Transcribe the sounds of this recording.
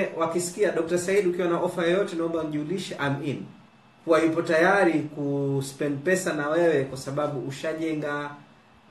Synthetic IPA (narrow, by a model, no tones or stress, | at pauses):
wakisi̥kiaɗɔk̚tasaiɗukiwanaʔɔfajɔjɔtɛnaɔmbam̩ʄiuliʃɛʔam̩in | huwaipɔtajaɾikuspɛndpɛsanawɛwɛkwasaɓaɓuuʃaʄɛŋɡa